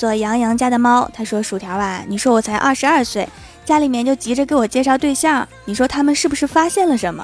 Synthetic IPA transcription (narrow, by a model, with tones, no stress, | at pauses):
t͡swɔ˥˩jɑ˧˥ŋjɑ˧˥ŋt͡ɕja˥d̪ə˨˩mɑ˥ʊt̪ʰa˥ʂwɔ˥ʂu˨˩t̪ʰjɑ˧˥a˧˩ni˨˩ʂwɔ˥wɔ˨˩t͡sʰa˧˥ɪʔɐ˥˩ʂɻ̩˧˥ɐ˞˥˧swe˥˩ɪ | t͡ɕja˥li˨˩mjɛ˥˧nt͡ɕjo˥˩ʊt͡ɕi˧˥ʈ͡ʂə˧ke˧˥ɪwɔ˨˩t͡ɕjɛ˥˧ʂɑ˥˧ʊt̪we˥˧ɪɕjɑ˥˩ŋni˨˩ʂwɔ˥t̪ʰa˥mə˨nʂɻ̩˥˩bu˩ʂɻ̩˥˩fa˥ɕjɛ˥˩nlə˩ʂə˧˥nmə̰˧